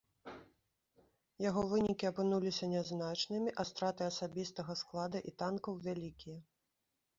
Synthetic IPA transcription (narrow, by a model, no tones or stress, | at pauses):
jaɣɔvɨnʲikʲiɐpɨnulʲisʲɐnʲɛznat͡ʂnɨmʲiʔɐst̪ɾat̪ɨɐsabʲist̪ɐɣɐsklˠad̪ɐʔit̪ankɐwvʲalʲikʲijɛ